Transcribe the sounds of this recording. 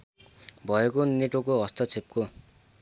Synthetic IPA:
bʱʌekoneʈokoʌst̪ʰʌt͡sʰep̚ko

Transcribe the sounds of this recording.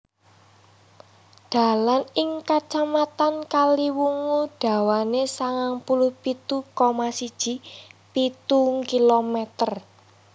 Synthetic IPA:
d̪̥a̤lanɪŋkat͡ʃamat̪ankaliwuŋuɖ̥a̤wanesaŋaŋpulʊhpit̪ukomasid̥ʒ̥i̤pit̪uŋkilomɛt̪ər

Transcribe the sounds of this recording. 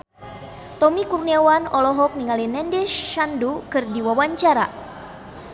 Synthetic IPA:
t̪ɔmikurniawanɔlɔɦɔk̚niŋalinɛndɛʃːandukɨrdiwawaɲt͡ʃaɾa̰

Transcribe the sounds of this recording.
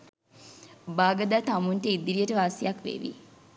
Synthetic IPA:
baːɡɐd̪aːt̪amunʈəid̪ːiɾijəʈəʋaːsijɐkʋḛʋḭ

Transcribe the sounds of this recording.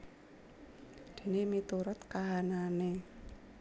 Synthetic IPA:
d̪̥i̤nemit̪uɾʊt̪kaɦanane

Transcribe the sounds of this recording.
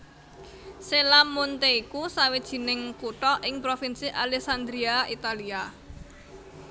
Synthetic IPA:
selamːunt̪eikusawid̥ʒ̥i̤nɪŋkuʈɔʔɪŋpɾofinsiʔalɛksand̪ɾiait̪alia

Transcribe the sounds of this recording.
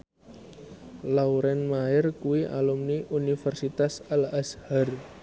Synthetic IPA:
lauɾɛnmaɪrkuwiʔa̰lumniʔunifɛrsit̪asalashar

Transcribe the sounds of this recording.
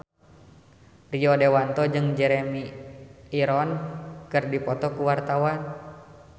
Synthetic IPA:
riɔdewant̪ɔd͡ʒɨŋd͡ʒɛɾemi | iɾɔnkɨrdipɔt̪ɔkuwart̪awan

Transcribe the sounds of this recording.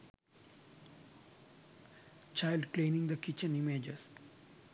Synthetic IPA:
t͡ʃaɪlɖklẽːnĩŋd̪əkɪt͡ʃə̃nimed͡ʒes

